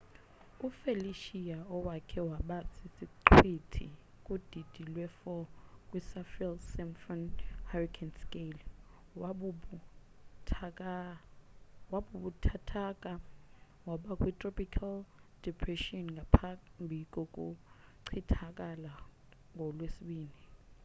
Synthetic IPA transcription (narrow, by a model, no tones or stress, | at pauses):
ufeliʃiaɔwakʰɛwaɓasʰisiǃʰwitʰḭ | kʼud̥ʱid̥ʱilwɛfɔkʼwisafilsɛmfɔnharikʰanskʼel | tʰakʼa | waɓuɓutʰatʰakʼa | waɓakʼwitʼrɔpʰʼikʰald̥ɛpʰrɛʃiɔnŋɡʱapʰambʱikʼɔkʼuǀʰitʰakʼala | ŋʱɔlwesiɓiːni